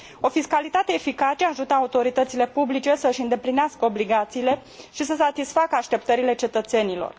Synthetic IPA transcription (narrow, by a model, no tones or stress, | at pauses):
o̞fiskalit̪at̪e̞ːfikat͡ʃeaʒut̪aːut̪o̞ɾit̪ət̪sile̞publit͡ʃe̞səɨʃɨnd̪e̞plineaskəo̞bliɡat̪siːle̞ | ʃisəsat̪isfakəaʃt̪e̞p̚t̪əɾile̞t͡ʃe̞t̪ət̪se̞nilo̞̰r